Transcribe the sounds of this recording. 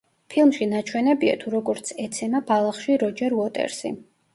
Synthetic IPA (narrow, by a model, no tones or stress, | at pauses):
pʰilˠmʃinat͡ʃʰwɛnɛbia̰t̪ʰuɾɔɡɔɾt̪sʰɛt̪sʰɛnabalˠaχʃiɾɔd͡ʒɛɾuɔt̪ʼɛ̰ɾsḭ